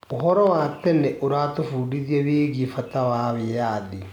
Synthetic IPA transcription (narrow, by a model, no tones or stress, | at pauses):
ohɔɾɔwaːtɛnɛʔoɾatofuːdiðjɛβeːɡifatawaβejaði